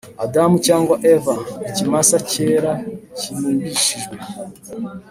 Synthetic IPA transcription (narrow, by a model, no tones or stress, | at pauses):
adamucaːŋɡwaʔevaecimasace̞ːɾacinuːmbiʃiʒɡwe